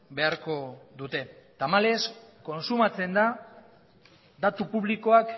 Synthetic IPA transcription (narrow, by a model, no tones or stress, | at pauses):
be̞aɾko̞d̪ut̪e̞t̪amale̞sko̞nsumat͡se̞nd̪a | d̪at̪upuβliko̞ak